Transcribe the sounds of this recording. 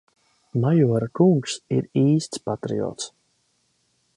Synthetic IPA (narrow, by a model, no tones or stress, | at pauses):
majuɔɾakuŋksiɾiːst̪spat̪ɾḭɔ̰ːt̪s